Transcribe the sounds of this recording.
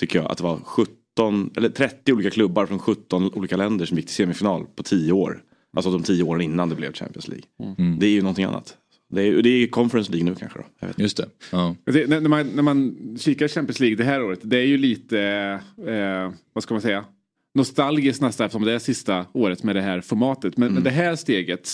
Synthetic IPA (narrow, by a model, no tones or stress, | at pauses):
t̪ʰʏkːəjɑ̰ːɡa̰t̪̚d̪ɛvaɾɧɵt̪ːɔnɛ̰lːəʈʰɾɛt̪ːɪuːliːkakʰlɵbːaɾfɾɔnɧɵt̪ːɔnṵːliːkalɛnd̪əʂɔmjɪk̚ːt̪ɪ̥seːmɪfɪnɑːlpʰɔt̪ʰiːjəoːɾ | ʔalsɔd̪ɔmt̪ʰiːəoːɾənɪnːand̪ɛblɛ̰vɕæ̰mpɪənslḭːɡd̪ɛæjɵnɔnt̪ʰɪŋa̰nːa̰t̪ | d̪ɛːjd̪ɛkʰɔnfəɾɛnsliːɡnʉ̟ːkʰa̰nɧə̰d̪ɔ̰ja̰vḛt̪jst̪ɛjɑt̪ɛnænæmanæɾmanɕiːkaɕɛmpɪənsliːɡd̪ɛɦæːɾoːɾət̪d̪ɛæɾjɵliːt̪ə | vaskalmansɛjːa | nʊst̪alɡɪsk̪nɛst̪aɛft̪əʂɔmd̪ɛæʂɪst̪aoːɾət̪mɛd̪ɛɦæːɾfɔɾmɑːt̪ət̪mɛnmɛnd̪ɛɦæːɾst̪eːɡət̪